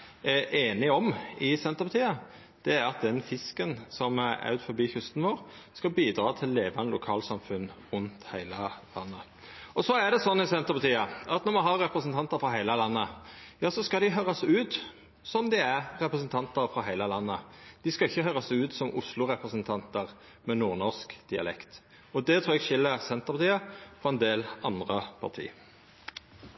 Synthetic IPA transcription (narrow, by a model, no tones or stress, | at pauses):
ʔeːnɪɔmɪsɛnt̪əɾpʰɑt̪ʰiːə | d̪̥ɛæɾɑt̪̚d̪ɛnfɪskənsɔmæɾɑ̰ʉt̪fɔɾbiːçʉst̪nʋoːɾ | skɑbiːd̪ɾɑːt̪ʰɪlːeːʋɑnəlʊkʰɑːlsɑmfʉn | ʉnt̪hæɪləlɑ̰nːə | ʔɔsɔæd̪ɛsɔnːɪsɛnt̪əɾpɑt̪ʰiːəɑt̪nɔmɑnɦɑɾːɛpɾəsnt̪ʰɑnt̪əɾfɾɑɦæɪləlɑnːəjɑːsɔskɑd̪ɪɦøːɾɑsʉːt̪ | sɔmd̪ɪæʁʁɛpɾəs̬ənt̪ʰɑnt̪əɾfʁɑɦæɪləlɑnːəd̪̥ɪskɑɪçːəhøːɾɑsʉːt̪sɔmʊslʊʁɛpɾəsənt̪ʰɑnt̪əʁ | mɛnuːʁnɔʁskd̪̥ɪɑ̰lɛ̰kt̪ | ɔd̪ɛt̪ʰɾuːɾɛɡʃɪlːəsɛnt̪əʁpʰɑt̪ʰiːəfɔɛnd̪eːlɑnd̪ʁəpʰɑ̰ʁt̪ʰḭː